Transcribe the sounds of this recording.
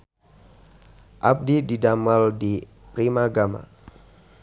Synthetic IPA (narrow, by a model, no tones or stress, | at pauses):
ʔap̚dididamaldi | pɾimaɡama̰